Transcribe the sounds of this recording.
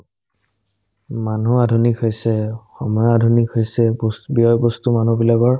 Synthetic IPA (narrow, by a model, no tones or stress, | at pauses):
manuadʱunikɦojsɛxɔmɔjɔadʱunikɦojsɛbbiɔjbɔstumanubilaɡɔɹ